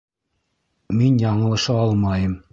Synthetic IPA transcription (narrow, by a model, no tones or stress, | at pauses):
minjɑɴɤ̆lˠɤ̆ʃɤɑlˠmɑjɤm